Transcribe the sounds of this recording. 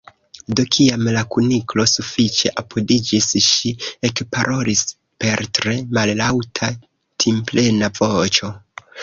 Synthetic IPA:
do̞kʰiamlakuniklo̞sufit͡ʃe̞̰ʔapʰodid͡ʒisʃiekpaɾʔo̞lis | pe̞ɾtɾe̞malːawtʰa | tʰimple̞navo̞t͡ʃo̞

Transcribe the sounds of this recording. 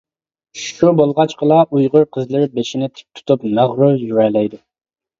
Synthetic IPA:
ʃubolˠʁɑt͡ʃqʰəlˠɑʔujʁʊɾqʰəzlˠɪɾbeʃinɪt̪ʰɪ̥p̚t̪ʰu̥t̪ʰup̚nɑʁɾʊjyɾɛlɛjd̪ʊ

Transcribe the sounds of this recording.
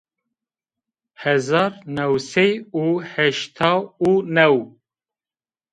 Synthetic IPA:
hɛzɑːɾnɛwsejuːhɛʃt̪ʰɑːunɛw

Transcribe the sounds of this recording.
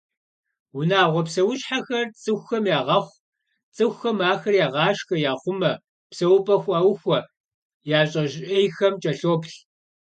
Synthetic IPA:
wʊnaːʁʷɔpsɐwʊɕħaxɐrt͡sʼɨxʷxɐmjaːʁɐχʷ | t͡sʼɨxʷxɐmaːxɐrjaːʁɑːʃxɐjaːχʷʊmɐ | psɐwʊpʼɐxʷʼawxʷɔ | jaːɕʼɐʒʔejxɐmt͡ʃʼɐɬoːpɬ

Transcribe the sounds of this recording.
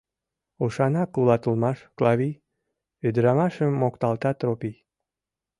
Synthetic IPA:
uʃɑnɑkulɑt̪əlmɑʃklɑβi | ød̪əɾɑmɑʃəmːokt̪ɑlt̪ɑt̪ɾopij

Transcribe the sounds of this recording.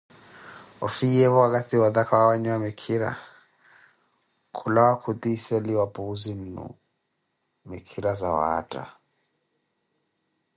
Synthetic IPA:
ɔfiɛβɔakatiwaðakʰawawaɲwamɛkʰiɾa̰ | kʰulawakʰud̪isɛliwapuzinṵ | mɛkʰiɾaza̰wa̰ːtʼa̰

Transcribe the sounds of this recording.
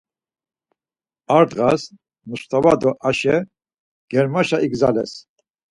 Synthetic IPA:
aɾd̪ʁas | nuʃt̪ʰavad̪ɔʔaʃɛ | ɡ̥ɛɾmaʃaʔiɡzalɛ̰s

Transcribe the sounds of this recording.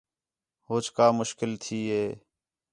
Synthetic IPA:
ɦoːt͡ʃʰkaːmʊʃkɪlt̪ʰiːɦeː

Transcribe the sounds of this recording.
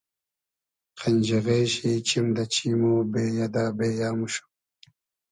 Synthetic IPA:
qɐnʲd͡ʑiɣeːɕit͡ɕimd̪ɐt͡ɕiːmoːbeːjad̪aːbeːjaːmuɕu̥

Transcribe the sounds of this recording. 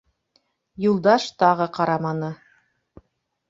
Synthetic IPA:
julˠd̪ɑʃt̪ɑʁɤqɑɾɑmɑnɤ

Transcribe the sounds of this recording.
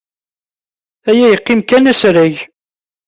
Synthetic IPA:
æjæjəqːimkænæsɾæʝ

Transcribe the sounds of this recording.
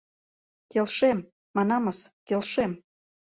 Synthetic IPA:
kelʃem | mɑnɑmɤskelʃem

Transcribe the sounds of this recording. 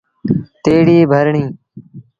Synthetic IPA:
t̪eːɽiːbʱəɾɳĩː

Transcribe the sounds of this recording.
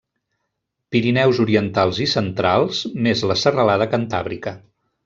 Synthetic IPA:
piɾinɛwzuɾiənt̪alˠzisənt̪ɾalˠz̥mezləsərəlaðəkənt̪a̰βɾikə

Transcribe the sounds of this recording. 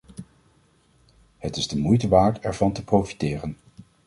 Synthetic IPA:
hətɪzdəmujtəʋaːɹtɛɹvɑntəprowfi̥tɪːrən

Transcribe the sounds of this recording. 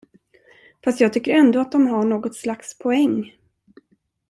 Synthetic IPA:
fast̪jɑːɡ̚t̪ʰʏkːəɾɛnd̪oːat̪̚d̪ɔmɦaɳoːɡɔt̪slakspʰɔɛŋː

